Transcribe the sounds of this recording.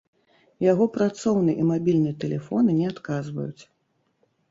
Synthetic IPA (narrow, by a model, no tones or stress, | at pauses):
jaɣɔpɾat̪sɔwnɨjʔimabʲilʲnɨjɛt̪ɛlʲɛfɔnɨnʲɛat̪kazvɐ̰jṵt͡sʲ